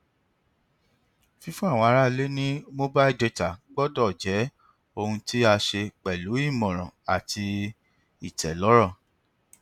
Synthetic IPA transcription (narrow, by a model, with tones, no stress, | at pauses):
fĩ˦˧fũ˦a˦˨w̃ɔ̃˧a˧ɾa˦le˦nĩ˦mo˦ba˦i˦˨de˧ta˨ɡ͡bɔ˦dɔ˦˨d͡ʒɛ˨˦ | o˧hũ˧ti˦a˧ʃe˧k͡pɛ˨lu˨˦i˦˨mɔ̃˨ɾ̃ɔ̰̃˨a˨ti˧ | i˨tɛ˨lɔ˨˦ɾɔ˦˨